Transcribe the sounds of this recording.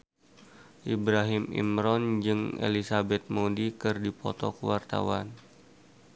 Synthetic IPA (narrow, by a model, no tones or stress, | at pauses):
ʔibɾaɦɪmḭmɾɔnd͡ʒɨŋḛlisabɛt̪̚modikɨrdipɔ̰t̪ɔkəwart̪a̰wan